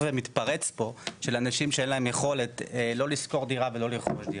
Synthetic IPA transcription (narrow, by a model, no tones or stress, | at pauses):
vemit̪paʁet͡spo̞ʃe̞lanaʃimʃeenlae̞mjeχo̞let̪lo̞lisko̞ʁd̪iʁavelo̞liχoʃd̪i